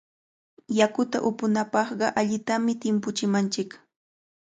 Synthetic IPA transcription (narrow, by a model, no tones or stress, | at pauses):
jakʊt̪a̰ʔʊpʊnapɑχɢɑʔaʎɪt̪amɪt̪ɪmpʊt͡ʃɪmant͡ʃɪk